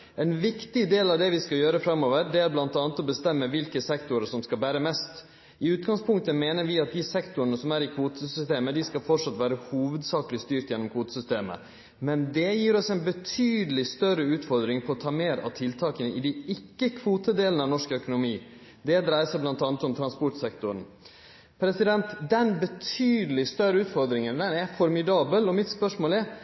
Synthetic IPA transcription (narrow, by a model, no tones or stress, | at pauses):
ɛnʋɪkt̪ɪd̪eːlɑʋd̪ɛʋɪskɑjøːɾəfɾɑmːoːʋəɾɖɛæɾblɑnt̪ɑːnət̪ɔbəst̪ɛmːəʋɪlkəsɛkt̪ʊɾəʂsɔmskɑlbæːɾəmɛst̪ | ɪʉːt̪̚ɡɑŋspʰʊŋk̚t̪əmeːnəɾʋɪɑt̪̚d̪ɪsɛkt̪ʊɾənəsɔmæːɾɪkʰʋuːt̪əsʏst̪eːməd̪ɪskɑlfɔʈʂɑt̪ːʋæːɾəhuːʋəd̪sɑːkəlɪst̪yːɾt̪jɛnːɔmkʰʋuːt̪əsʏst̪eːmə̰ | mɛnd̪ɛjiːɾɔsɛɪnbət̪ʰyːd̪əlɪst̪œɾəʉːt̪fɔɾd̪ɾɪŋpʰɔːt̪ʰɑːmeːɾɑ̰ʋt̪ʰɪlt̪ʰɑːkənəʔɪd̪ɪɪkːəkʰʋuːt̪əd̪eːlnəɑnɔʂkəœkʊnʊmiː | d̪ɛd̪ɾæɪsəɾblɑnt̪ɑːnət̪ɔmt̪ʰɾɑnspɔʈsɛkt̪ʊɾən̩ | pʰɾɛsɪd̪ɛnt̪d̪ɛnbət̪ʰyːd̪əlɪst̪œɾəʉːt̪fɔɾd̪ɾɪŋənd̪ɛnæfɔɾmɪd̪ɑːbəlɔmɪt̪spœʂmoːlɛɾ